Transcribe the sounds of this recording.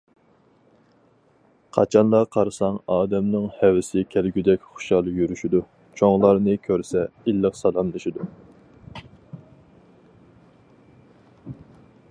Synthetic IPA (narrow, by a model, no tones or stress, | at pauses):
qʰɑ̰t͡ʃʰɑnlˠɑqʰɑɾɨsɑŋɑːd̪ɛmnɨŋhɛwɪsɪkʲʰælɡʲyd̪ɛkʲχʊ̥ʃɑlˠjyɾyʃid̪u | t͡ʃʰoŋlˠɑɾnɨkʲʰøɾsɛilːəqsɑlˠɑmlˠɨʃid̪u